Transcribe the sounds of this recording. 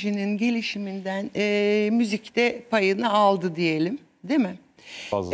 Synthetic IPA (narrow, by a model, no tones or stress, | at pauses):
ʒininɟe̞lʲiʃimind̪ænːmyzict̪ɛpʰajɯnaalˠd̪ɯd̪ije̞lʲim | d̪emɪ | a